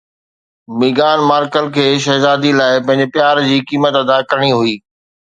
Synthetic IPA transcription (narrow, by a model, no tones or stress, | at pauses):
mɪɡaːnmaːɾkəlkʰeːʃɐɦzaːd̪ilaːɪpɐ̃ɦɪ̃ɲd͡ʑepjaːɾd͡ʑiːkiːmət̪ɐd̪akɐɾəɽ̃iɦuiː